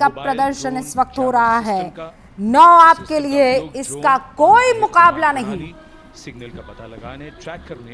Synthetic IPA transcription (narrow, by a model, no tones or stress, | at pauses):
apɾɐd̪əɾʃənɪswɐq̚t̪ɦoːɾɐɦaɦɛː | nɔːaːpkelieɪskakoːimʊqaːblanɐɦĩ